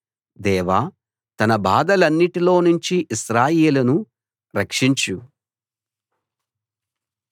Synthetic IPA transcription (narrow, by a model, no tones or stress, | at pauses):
d̪ɛːʋaː | t̪ɐnɐbaːd̪ɐlɐnːiʈilo̞ːnuɲt͡ʃiʔiʃɾaːjeːlɐnu | ɾɐkʂiɲt͡ʃu